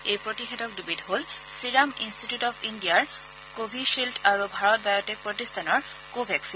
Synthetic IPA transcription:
ejpɹotixɛdɔk̚dubidɦolsiɹaminstitjutɔpʰindiaɹ | kobʱiʃiltʰaɹubʱaɹɔt̚bʱajɔtek̚pɹotistʰanɔɹ | kobʱɛksin

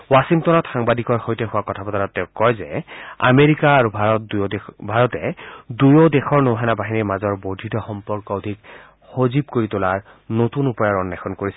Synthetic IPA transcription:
wasiŋtɔnɔtxaŋbadikɔɹxojtɛɦʊwakɔtʰapɔtaɹɔtːɛʊkːɔjzɛa̰meɹikaːɹubʱaɔtdujbʱaɹɔtɛdujɔdɛxɔɹnowɦɛnabaɦiniɹmazɔɹbodʱitɔxɔmpɔɹkɔʊdʱik | xozib̚koɹitʊlaɹ | notunupɔjaɹɔnːɛkʰɔnkoɹisɛ

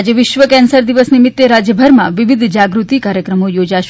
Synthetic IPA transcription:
d͡ʒeʋɪʃʋəkɛ̃nsəɾd̪iʋəsnimit̪ːeɾad͡ʒjəbʱəɾmãʋiʋid̪ʱd͡ʒaɡɾut̪ikaɾjəkɾəmojod͡ʒaʃ

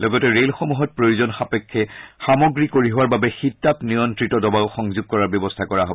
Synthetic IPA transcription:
lɔɡɔtɛɹelxomuɦɔt̚pɹojuzɔnxapɛkʰːɛxamɔɡɹikoɹiɦowaɹbabɛxitːapnijɔntɹitɔdɔbaʊxɔŋzuɡ̚kɔɹaɹbjɔbɔstʰakɔɹaɦobɔ

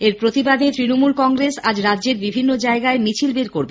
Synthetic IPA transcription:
eɾpɾot̪ibad̪et̪ɾinomulkɔŋɡɾesad͡ʑɾadːʑeɾbibʱinːod͡ʑaeɡaemit͡ɕʰilbeɾkoɾbe

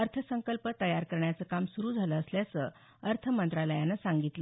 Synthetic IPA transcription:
əɾt̪ʰəsəŋkəlpət̪əjaɾkəɾɳjat͡səkamsuɾuːd͡zʱaləːsljat͡sə | əɾt̪ʰəmənt̪ɾaləjanasaŋɡit̪lə

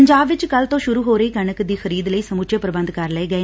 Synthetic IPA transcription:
əɲd͡ʒaːbʋɪt͡ʃkəlt̪õːʃʊɾuːɦoːɾəiːkəɳəkd̪iːxəɾiːd̪ləiːsəmʊtːt͡ʃʰeːpɾəbənd̪kəɾlɛeːɡəeː

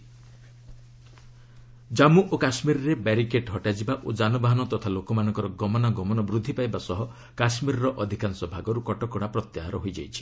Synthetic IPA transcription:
d͡ʒamuʔokasmiɾɔɾebaɾikeʈɦɔʈad͡ʒibaʔod͡ʒanɔbaɦɔnɔt̪ɔt̪ʰalokɔmanɔ̃ŋkɔɾɔɡɔmɔnaɡɔmɔnɔbɾud̪ʱːipajbasɔɦɔ | kasmiɾɔɾɔʔɔd̪ʱikansɔbʱaɡɔɾukɔʈɔkɔɽ̃apɾɔt̪jaɦaɾɔɦojd͡ʒajt͡ʃʰi̥

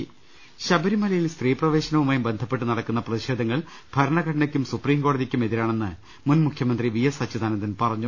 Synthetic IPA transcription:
ɕɐbɐɾimɐlɐjilst̪riːprɐʋe̞ːɕɐnɐʋumaːjumbe̞nd̪ʱɐpːe̞ʈːɨnɐɽɐkːunːɐprɐðiɕe̞ːd̪ʱɐŋːɐɭ | b̥ʱɐɾɐɳɐɡʱɐʈɐnɐkʲːumsupriːmɡo̞ːɽɐðikʲːume̞ðiɾaːɳe̞nːɨ | munmukʰjɐmɐnd̪riʋijɐsɐt͡ɕːɐd̪ʱaːnɐt̪ːinpɐrɐɲːu

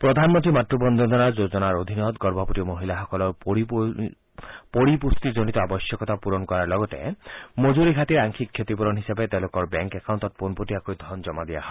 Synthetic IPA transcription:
pɾɔd̪ʱanmɔ̃nt̪ɾimatɾubɔnd̪ɔd̪ɔnaɾd͡ʒod͡ʒɔnaɾod̪ʱinɔt̪ɡɔɾbʱɔpɔt̪imoɦilaɦɔkɔlɔɾ | poɾipust̪id͡ʒoɽ̃it̪ɔabɔsjɔkɔt̪apuɾɔnkɔɾaɾlɔɡɔt̪ḛmod͡ʒuɾiɡʱat̪iɾaŋkʰikʰːjet̪ipɔɾɔnɦisebet̪elokɔɾbɛŋkekawnt̪ɔt̪̚ponpotiakojd̪ʱɔnd͡ʒɔmad̪ia̰ɦɔ

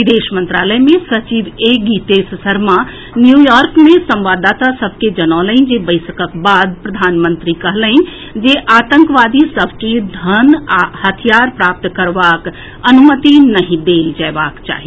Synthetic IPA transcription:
ʋid̪eːʃmə̃nt̪ɾa̰ːləjmẽsɐt͡ʃiʋeːɡiːt̪essɐɾma | njujɔːɾkmẽsɐ̃mʋaːd̪ːaːt̪asɐbʱked͡ʒɐnaːləĩd͡ʒebəɪsəkəkbaːd̪̚pɾɐd̪ʱaːnmə̃nt̪ɾikɐɦləĩ | d͡ʒeʔaːt̪ə̃ŋkʋaːd̪isəbʱked̪ʱənhɐt̪ʰijaːɾpɾaːp̚t̪kɐɾʋaːk | ɐnumət̪inɐɦĩd̪eːld͡ʒɛːʋaːkt͡ʃa̰ːɦi

